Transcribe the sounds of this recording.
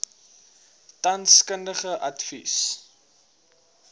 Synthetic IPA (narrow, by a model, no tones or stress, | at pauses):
tɐnskəndəχəʔɐtfis